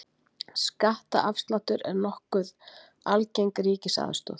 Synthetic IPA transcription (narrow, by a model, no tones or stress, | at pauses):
skaht̪a̰ʔafst̪lant̪ʏɾɛɾnɔhkʏð | alcejŋkɾiːcɪsa̰ːðʏst̪ɔ̰θ